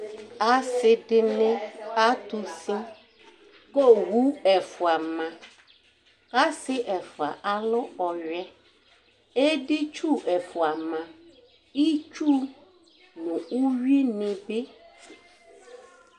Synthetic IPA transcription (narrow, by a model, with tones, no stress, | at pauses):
a˦sɪ˨dɪ˦nɪ̃˦a˦t̪ʊ˨sĩ˦ | ɡɔ˦˨wu˦ɛ˨fʊ˨a˨mã˨ | a˦sɪ˦ʔɛ˨fʊ˨a̰˨ʔa˦lɔ˦ɔ˨ɥᶣɛ˦ | e˦dɪ˦t͡ʃu˦ɛ˨fʊ˨a˨mã˨ | i˦t͡ʃu˦ | nʊ̃˨u˦ɥi˦nɪ̃˨be˦